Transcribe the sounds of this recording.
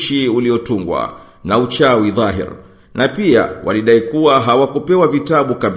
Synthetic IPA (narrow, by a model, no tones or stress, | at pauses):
ʃiuliɔtuŋɡwa̰ | naut͡ʃawiðɑɦḭɾ | napia̰wʔa̰liɗaikuwaɦawakupɛwavitaɓukaɓ